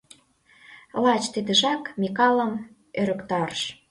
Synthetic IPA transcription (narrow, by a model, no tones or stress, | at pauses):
lɑt͡ɕt̪id̪ə̆ʒɑkmʲikɑlə̆m | øɾə̆kt̪ɑrʃ